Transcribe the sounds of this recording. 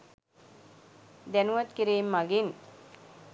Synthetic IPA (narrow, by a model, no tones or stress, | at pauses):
d̪ænuʋɐt̪kiɾeːmːaɡin